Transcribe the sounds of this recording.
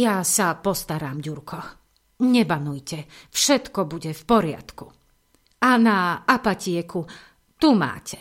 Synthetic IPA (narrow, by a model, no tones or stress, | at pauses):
jasapɔst̪aɾaːmɟuɾkʰɔ | ɲɛbanujcɛfʃɛt̪kɔbuɟɛfpɔɾɪa̰t̪ku | anaapacɪɛku | t̪uma̰ːcʰɛ̥